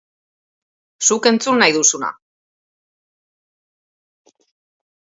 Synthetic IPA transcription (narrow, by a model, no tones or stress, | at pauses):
suke̞nt͡sunːajðusuna̰